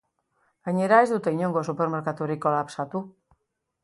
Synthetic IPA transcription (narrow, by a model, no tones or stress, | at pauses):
ɡ̥aɲe̞ɾae̞zd̪ut̪e̞iɲo̞ŋɡo̞supe̞ɾme̞ɾkat̪uɾikːo̞lapsat̪u